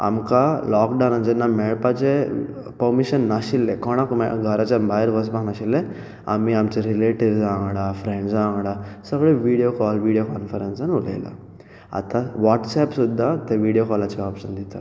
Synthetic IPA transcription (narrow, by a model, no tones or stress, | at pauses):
a̰mkalɔkɖawnand͡ʑɛnːamɛɭpat͡ɕe | pəɾmiɕənːaɕilːekɔɽ̃akumɡʱəɾat͡ɕabaɦeɾʋʱəs̬baknaɕilːe | a̰miamt͡ɕeɾileʈiɾzãŋɡɽafɾẽɳɖsãŋɡɽasəɡɭeʋiɽijokɔlʋiɽijokanfəɾensanulḛjla̰ | a̰t̪aʋɔʈsɛpsud̪ʱːat̪eʋiɽijokɔlat͡ɕiɔpʂənd̪it̪a̰